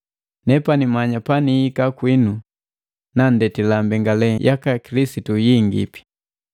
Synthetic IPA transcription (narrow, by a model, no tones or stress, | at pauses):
nɛpanimaɲapaniikakwinu | nandɛtilambɛŋɡalɛjʔakakilisitujiŋɡḭpi̥